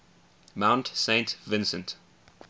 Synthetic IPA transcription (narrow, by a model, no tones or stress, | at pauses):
mãʊ̃ntsẽɪ̃ntvɪ̃nsə̰̃nt